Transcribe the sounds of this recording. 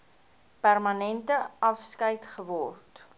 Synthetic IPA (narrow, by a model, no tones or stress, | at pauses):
pærmɐnɛntəɐfskəjtχəvɔrt